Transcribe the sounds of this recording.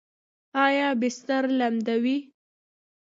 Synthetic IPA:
ɑjɑbɪst̪aɾlamd̪awi

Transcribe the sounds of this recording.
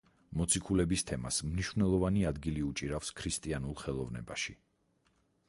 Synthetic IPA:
mɔt̪sʰikʰulɛbist̪ʰɛma̰smniʃvnɛlˠɔvaniad̪ɡiliut͡ʃʼiɾafskʰɾist̪ʼianulˠχɛlˠɔvnɛ̰baʃi

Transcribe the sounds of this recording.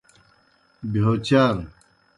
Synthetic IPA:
biɦot͡ɕaːɾ

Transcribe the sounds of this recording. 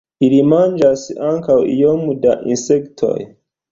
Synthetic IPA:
iɾimand͡ʒasaŋkawḭjomudaʔḭnsektʰo̰j

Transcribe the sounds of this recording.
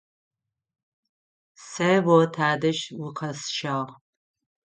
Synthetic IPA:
sɐwotʰaːdɐʃwʊqʰɐsʃaːʁ

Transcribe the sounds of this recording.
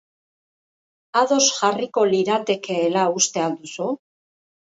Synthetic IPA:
aðo̞sʝariko̞liɾat̪e̞ke̞ːlaust̪e̞ald̪usu

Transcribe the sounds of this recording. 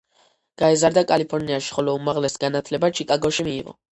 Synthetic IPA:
ɡ̥aɛzaɾd̪akʼalipʰɔɾniaʃi̥χɔlɔumaʁlɛsɡanat̪ʰlɛbat͡ʃʰikʼaɡɔʃimiːʁɔ̰

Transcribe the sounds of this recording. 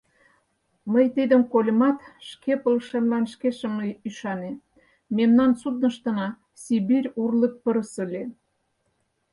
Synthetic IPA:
məjt̪id̪ə̆mkolʲəmɑt̪ʃkepəlʃemlɑnʃkeʃə̆mnəyʃɑne | memnɑnsud̪̚nə̆ʃt̪ə̆nɑ | sʲibiɾʲurlək̚pəɾəsə̆lʲe

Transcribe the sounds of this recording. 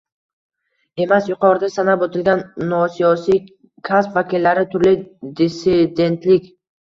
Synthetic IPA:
e̞masjʊqʰɒɾɪd̪asanabot̪ʰɪlɡʲanːɒsijɒsij | kʰaspvakʲilːaɾɪt̪ʰʊɾlɪd̪isɪd̪e̞nt̪lɪkʲ

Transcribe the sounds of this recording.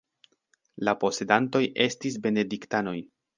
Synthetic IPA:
lapo̞se̞danto̞je̞stis̬be̞ne̞diktano̞j

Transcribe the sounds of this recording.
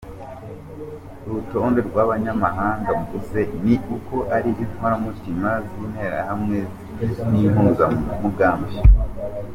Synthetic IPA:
ɾuto̞nde̞ɾɡwaβaɲamaɦaːŋɡamuɡuse̞niuko̞ʔaɾiiwaɾamutimaziːn̥he̞ɾa̰hamŋez | ninuɡammuɡaːmbe

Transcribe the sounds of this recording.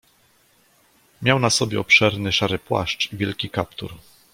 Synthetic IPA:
mʲjawnasɔbʲjɛ̰ɔpʂɛɾnɘʂaɾɘpwa̰ʂt͡ʂivʲjɛlkʲikapt̪ṵɾ

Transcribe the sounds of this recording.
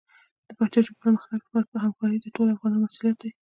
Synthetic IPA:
d̪̥əpat̪ɑʒəpəɾməxt̪aɡlpɑɾapəɦamkɑɾid̪əʈolafɣɑnɑnmasuljat̪̚d̪aj

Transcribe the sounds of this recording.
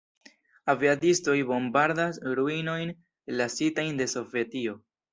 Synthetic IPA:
aviadisto̞jbo̞mbaɾdasɾuino̞jn | lasitajnde̞so̞ve̞tio̞

